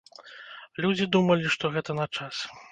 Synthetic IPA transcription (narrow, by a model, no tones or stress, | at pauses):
lʲud͡zʲid̪umɐlʲiʂt̪ɔɣɛt̪ɐnɐt͡ʂas